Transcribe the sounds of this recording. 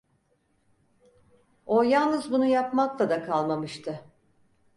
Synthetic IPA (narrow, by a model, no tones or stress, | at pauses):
ojalˠnɯzbunujapmaklˠad̪akʰalˠmamɯʃt̪ʰɯ